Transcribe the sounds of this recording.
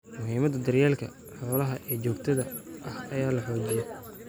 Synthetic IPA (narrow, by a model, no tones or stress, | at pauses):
mʊɦiːmɐd̪ɐd̪ɐrjaːlkʰɐ̰ | ħɔːlɐɦɐʔɛːt͡ʃɔːɡt̪ʰɐðɐʔɐhɐjaːlɐħɔːd͡ʒɪjɛ